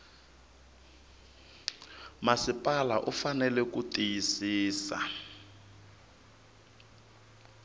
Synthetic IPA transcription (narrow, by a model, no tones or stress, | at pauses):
masipʼalaʔufanɛlɛkutʼijisiːsa̰